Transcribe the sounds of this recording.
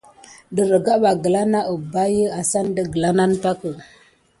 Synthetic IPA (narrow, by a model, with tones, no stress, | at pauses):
də˨ɾə˨ɡa˦ɓa˨ɡə˨la˦na˦ə˨ba˦jə˦a˨sa˦n˦də˦˨ɡə˨la˦na˦npa˦kə˨